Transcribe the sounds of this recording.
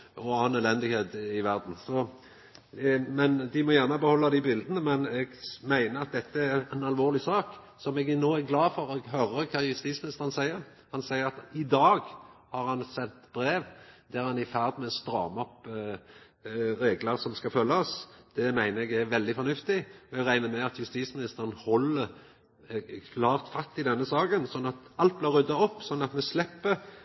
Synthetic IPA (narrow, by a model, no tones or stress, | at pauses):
ɔɑnølɛnd̪ɪheːt̪ɪʋæɾd̪n̩sɔ | mɛnd̪ɪmɔjæʁnəbəhɔlːɑd̪ɪbɪld̪ənəmɛnɛɡmæɪnəɑt̪̚d̪ɛt̪ːəæɾɛɪnɑlʋoːɾlɪsɑːk | sɔmɛɡnoːæɾɡlɑːfɔɾɛɡɦœɾəkʰɑːjʏst̪iːt̪smɪnɪst̪əʁənsæɪəɾ | hɑnsæɪəɾɑt̪ɪd̪ɑːɡhɑɾhɑnsɛnt̪b̥ɾeːʋd̪̥æɾhɑnɪfæʁd̪mɛst̪ɾɑ̰ːmɔp | ɾeːɡləɾsɔmskɑfœlːɑɔsd̪̥ɛmæɪnəɾɛɡæɾʋɛld̪ɪfɔnʉft̪ɪɔɛɡɾæɪnəmɛɑt̪jʉst̪iːsmɪnɪst̪əɾənhɔlːəɾ | kʰlɑːʁt̪fɑst̪ɪd̪ɛnːəsɑːɡənsɔnːɑt̪ɑlt̪̚blɪɾʉd̪ɑɔpːsɔnːɑt̪mɛslɛpːə